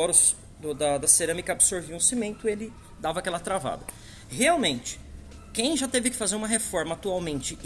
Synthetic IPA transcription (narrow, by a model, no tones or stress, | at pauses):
ɔɾʊs | d̪ʊd̪ɐd̪ɐseɾɐ̃mikɐabɪsoɾviũsimẽnt̪ʊelɪ | d̪avɐkɛlɐt̪ɾava̰d̪ɐ | heawmẽnt͡ʃɪ̥ | kẽj̃ʒat̪evɪkɪ̥fazeɾũmɐɦefɔɾmɐat̪uawmẽnt͡ʃɪ